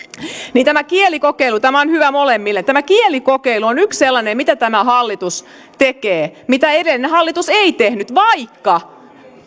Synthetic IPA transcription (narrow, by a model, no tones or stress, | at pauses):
niːnt̪æmækielikokeilut̪æmæonhyʋæmolemːilːet̪æmækielikokeiluonyksselːɑnemmit̪æt̪æmæhɑlːit̪us | t̪ekeːmit̪æeɾelːnehɑlːit̪useit̪ehnyt̪ʋɑikːɑ